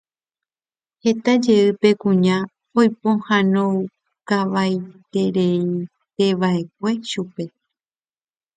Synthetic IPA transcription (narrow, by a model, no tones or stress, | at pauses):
he̞t̪ad͡ʒe̞ɨpe̞kũɲã | ojpõhãnõw | kaʋajt̪e̞ɾei | t̪e̞ʋaʔe̞k̚ʷe̞ʃupe̞